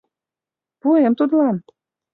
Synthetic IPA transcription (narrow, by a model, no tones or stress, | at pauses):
puemt̪ut̪lɑn